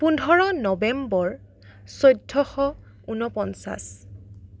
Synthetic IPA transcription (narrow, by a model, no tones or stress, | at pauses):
pundʱɔɹɔnɔbɛmbɔɹ | sojdʱːɔxɔ | unɔpɔnsa̰s